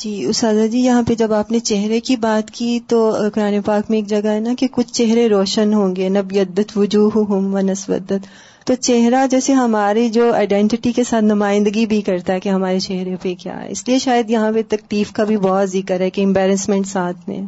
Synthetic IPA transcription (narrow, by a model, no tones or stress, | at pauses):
d͡ʒiːʊst̪aːd̪ad͡ʒiːjɐɦãped͡ʒɐbaːpnet͡ʃɛɦɾekibaːt̪kit̪okʊɾaːnepaːkmẽeːkd͡ʒɐɡaɦɛnakekʊt͡ʃʰt͡ʃɛɦɾeɾoːʃənɦõːŋɡenɐbjɐd̪ːət̪ʋʊd͡ʒuːɦuɦʊmʋɐnɐsbə̰d̪ət̪ː | ot͡ʃɛɦɾad͡ʒɛːseɦɐmaːɾid͡ʒoːa̰ːɪɖɛ̃ɳʈɪʈikesaːt̪ʰnɐmaːɪ̃nd̪əɡibʱikɐɾt̪aɦɛkeɦɐmaːɾet͡ʃɛɦɾepekja̰ːɦɛ̰ɪslieʃaːjəd̪jɐɦãpet̪ɐk̚liːfkabʱibɔːt̪zɪkəɾɦɛkeɪ̃mbɛːɾəsmɛ̃ɳʈsaːt̪ʰmḛ̃